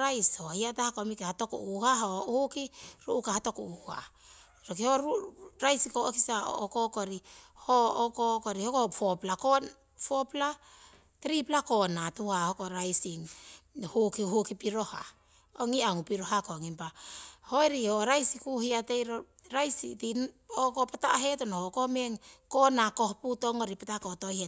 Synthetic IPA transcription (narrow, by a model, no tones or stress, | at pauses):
ɾajshohiatahakomikehato̞kṵʔuhaɦohukiɾuʔukahato̞kuʔua̰ | ɾokihoɾuɾajsikookisao̰okokoɾihookokoɾihokofoplakon | fopla | tɾiplako̞natuahokoɾajsiŋhukiɦukipiɾo̞ha | oŋiaŋupiɾo̞ɦakoŋimpahoeɾihoɾajsikuhiatejɾo | ɾajsḭtin | okopataɦe̞tonohokomeŋkonako̞hputo̞ŋoɾipatako̞to̞hie